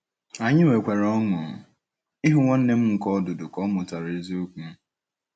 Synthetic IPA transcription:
a˨ɲɪ˦we˨kʷe˨ɾɔ˦ŋʊ˨ | i˦ɦʊ˦ŋʷɔ˦n̩˦ne˦m̩˦ŋ̩˨kɔ˦ɔ˦dʊ˨dʊ˨kɔ˦mʊ˨ta˨ɾe˨˦zi˦o˦kʷu˦

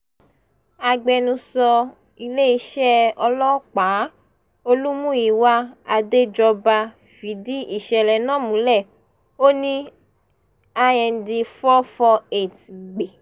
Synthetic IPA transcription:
a˧ɡ͡bɛ˧nũ˧sɔ˧ | i˧le˦i˧˦ʃɛ˦ɔ˧lɔ˦k͡pa˨˦ | o˧lu˦mũ˦ji˨wa˦a˧de˦d͡ʒɔ˧ba˧ | fi˨˦di˦ʔi˦˨ʃɛ˨lɛ˨nã˦˨mũ˨˦lɛ˦˨ | o˦nĩ˦ | a˧jɛ˧n̩˧di˧fɔ˦fɔ˧e˨ti˨ɡ͡be˨

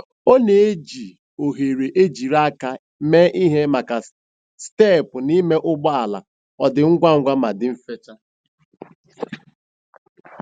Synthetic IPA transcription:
o˦ne˨e˦d͡ʒi˨ | o˨ɦe˨ɾe˨ʔe˦d͡ʒi˨ɾa˦ka˨ | meː˦ʔi˦ɦe˦ma˨ka˨ | ste˦˨pʊ˨ni˦me˦ʔʊ˦ɡ͡bɔ˦a˨la̰˨ | ɔ˨dɪ˨ŋ̩˦ɡʷa˦ŋ̩˦ɡʷa˦ma˨dɪ˨m̩˦fe˦t͡ʃa˦

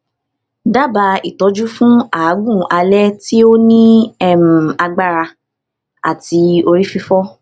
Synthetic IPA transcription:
da˦ba˧i˨tɔ˨˦d͡ʒu˦fũ˦a˨˦ɡũ˦˨ʔa˧lɛ˦ti˦o˦nĩ˦ɛ˦˨m̩˨a˧ɡ͡ba˦ɾa˧ | a̰˨ti˧˦o˧ɾi˦fi˧fɔ˦

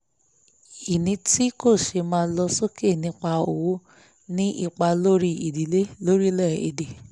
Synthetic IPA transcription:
i˨nĩ˧˦ti˦ko˦˨ʃe˧mãː˧˦lɔ˧so˦ke˦˨nĩ˧˦k͡pa˧o˨wo˨˦ | nĩ˦ʔi˦˨k͡pa˧lo˦ɾi˦ʔi˨di˨˦le˦lo˦ɾi˦lɛ˦˨ḭ˨de˨

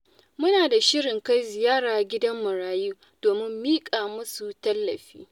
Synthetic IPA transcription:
mʊ˦naː˨da˨ʃɪ˦ɽɪ˨ŋka˦jzɪ˨jaː˦ɽaː˨ɡʲɪ˦dɐ˦mːʊ˨ɽaː˦ju˦ | d̥oː˨mɪ˦mːiː˦kʼaː˨mʊ˦su˨tɐ˦lːɐ̰˨ɸḭː˦

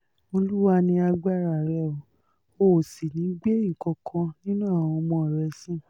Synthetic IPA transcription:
o˧lu˦wa˦nĩ˧a˧ɡ͡ba˦˨ɾa˨ɾɛ˨ɔ˨ | o˨si˨nĩ˨˦ɡ͡be˦ĩ˦˨kɔ̃˨˧kʰã˧nĩ˦nũ˦a˦˨w̃ɔ̃˧mɔ̃˧˨ɾɛ˧˨sĩ˦˨

